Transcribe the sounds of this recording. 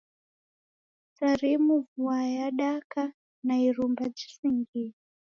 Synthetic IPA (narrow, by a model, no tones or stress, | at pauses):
t͡saremuvuwajaɗaka | nairumbad͡ʒisiŋɡii